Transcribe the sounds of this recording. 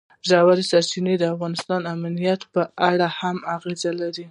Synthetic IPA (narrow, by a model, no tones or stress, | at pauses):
ʒɑwaɾisaɾt͡ʃined̪əafɣɑnɪst̪ɑnamnijat̪pəaɽahamaɣezalaɾi